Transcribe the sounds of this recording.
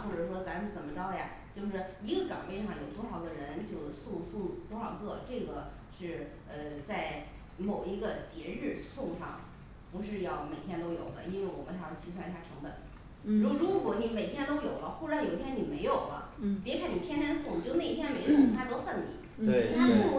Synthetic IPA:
xwu˥˩ʈ͡ʂɤ˨˩ʂ̬wɔ˥t͡sa˧˥n̩˧˩t͡sə˨˩mə˦ʈ͡ʂɑ˥ʊja̰˨˩ | t͡ɕjo˥˧ʊʂɻ̩˥˩i˧˥ɡə˧kɑ̰˨˩ŋpe˥˧ʂɑ˥˩ŋjo˨˩ʊt̪wɔ˥xɑ˨˩ʊd̪ə˧ɻə˧˥nt͡ɕjo˥˧ʊsu˥˧su˥˧t̪wɔ˥xɑ˨˩ʊkɤ˥˩ʈ͡ʂɤ˥˩ɡə˩ | ʂɻ̩˥˩ | ə˧t͡sa˥˩ɪ | mo˨˩ʊi˧˥ɡə˧t͡ɕjɛ˧˥ɻɻ̩˥˧sʊ˥˧ŋʂɑ˥˩ŋ | pu˧˥ʂɻ̩˥˧jɑ˥˩ʊme˨˩ɪt̪ʰjɛ˥nt̪o˥ʊjo˨˩ʊd̪ə̰˦i˥nwe˥˩ɪwɔ˨˩mə˦nʂʰɑ˧˥˩t͡ɕʰi˧˥s̬wa˥˧ɕja˥˩ʈ͡ʂʰɤ˧˥ŋbə̰˨˩˦n | ɻu˥˧ɻu˧˥kwɔ˧˥ni˧˥me˨˩ɪt̪ʰjɛ˥nt̪o˥ʊjo˨˩ʊlə˦xu˥˩ʂɻjo˨˩ʊi˥t̪ʰjɛ˥ni˨˩me˧˥ɪjo˨˩ʊlə̰˦pɛ˥kʰa˥˩ni˨˩t̪ʰjɛ˥nt̪jɛ˥ns̬u˥˩ŋ˨n˨˧t͡ɕo˥˧ʊne˥˩˧t̪ʰjɛ˥nme˧˥ɪjo˧˩˥a˥t̪o˥ʊfə˥˩nnḭ˨˩˦ | e˥˩˨t̪ʰa˥˧˥

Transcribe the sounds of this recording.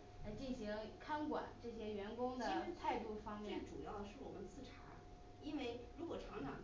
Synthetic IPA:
a˧t͡ɕi˥˩nɕi˧˥ŋkʰa˥nkwa̰˨˩˦nʈ͡ʂɤ˥˩ɕjɛ˥ɥɛ˧˥nkʊ˥ŋd̪ə˥t̪ʰa˥˧ɪt̪u˥˩fɑ˥ŋmjje˥˩ə˧ʈ͡ʂu˨˩jɑ˥˩˧ʊə˩ʂɻ̩˥˩wɔ˨˩mə˦nt͡sʰɹ̩˥˩ʈ͡ʂʰa˧˥ | i˥nwe˥˩ɪɻu˧˥kwɔ˨˩ʈ͡ʂʰɑ˧˥ŋʈ͡ʂʰɑ̰˨˩ŋ

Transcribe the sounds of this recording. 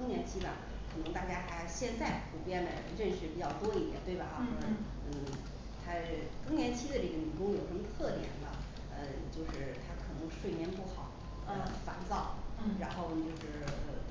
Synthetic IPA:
ɤ˥ŋnjɛ˧˥nt͡ɕʰi˥ba˨˩˦ | kʰɤ˨˩nɤ˧˥ŋt̪a˥˩t͡ɕja˥xa˧˥ɪɕjɛ˥˧nt͡sa˥˩ɪtʰu˨˩pjɛ˥nd̪ə̰˧˩ɻə˥˩nʂɻ̩˧˥pi˨˩t͡ɕjɑ˥˩ʊt̪wɔ˥i˥˩jɛ̰˨˩nt̪we˥˩ɪbɐ˨˩ɑ˥kʰɤ˨˩nɤ˧˥ | n̩˥˩ | t̪ʰa˥kɤ˥ŋnjɛ˧˥nt͡ɕʰi˥d̪ə˧ʈ͡ʂɤ˥˩ɡə˩ny˨˩kʊ˥ŋjo˨˩ʊʂmə˧t̪ʰɤ˥˩t̪jɛ̰˨˩˦nlə̰˧ | ə˧t͡ɕjo˥˧ʊʂɻ̩˥˩t̪ʰa˥kʰɤ˨˩nɤ˧˥ŋʂwe˥˩ɪmjɛ˧˥npu˥˩xɑ˨˩˦ʊ | ə˧˩fa˧˥nt͡sɑ˥˩ʊɻa˧˥nxo˥˧ʊ˧˩t͡ɕjo˥˧ʊʂɻ̩˥˩ə˧˩

